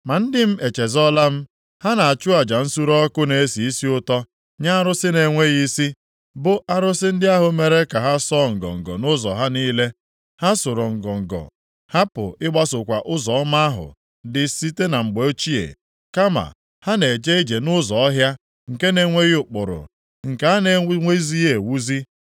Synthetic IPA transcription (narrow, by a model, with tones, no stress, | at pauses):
ma˨n̩˦dɪ˦m̩˦e˨t͡ʃe˨zɔ˦la˦m̩˦ | ha˦na˨a˨t͡ʃʊ˦a˨d͡ʒa˨n̩˦su˦ɾɔ˦kʊ˦ne˨e˦si˨i˦si˦ʊ˦tɔ˦ | ɲa˦a˦ɾʊ˦sɪ˦ne˨ŋʷe˦ɣi˦si˦ | bʊ˦ʔa˦ɾʊ˦sɪ˦n̩˦dɪ˦a˦ɦʊ˨me˨ɾe˦ka˨ɦa˦sɔː˦˨ŋ̩˨ɡɔ̰˨ŋ̩˨ɡɔ̰˨nʊ˦zɔ̰˨ɦa˦niː˦le˦ | ha˦sʊ˨ɾɔ˨ŋ̩˨ɡɔ˨ŋ̩˨ɡɔ̰˨ | ha˦pʊ̰˨ɪ˦ɡ͡ba˦sʊ˨kʷa˨ʔʊ˦zɔ˨ɔ˦ma˦a˦ɦʊ̰˨ | dɪ˨si˦te˦na˨ŋ͡m̩˨ɡ͡be˨o˦t͡ʃi˦ḛ˨ | ka˦ma̰˨ | ha˦ne˨d͡ʒe˦i˦d͡ʒe˨nʊ˦zɔ˨ɔ˦ɦja˦ | ŋ̩˨ke˦ne˦ŋʷe˦ɣi˦ʊ˨k͡pʊ˨ɾʊ̰˨ | ŋ̩˨ka˨a˦ne˨˦ŋʷe˦i˦zi˦ɣe˨wu˦zi˦